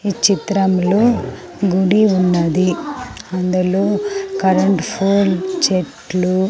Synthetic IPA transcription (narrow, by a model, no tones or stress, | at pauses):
it͡ʃit̪ɾɐmlo̞ː | ɡuɽiunːɐd̪iɐnd̪ulo̞ːkɐɾɐɳʈpʰoːlt͡ʃeʈlu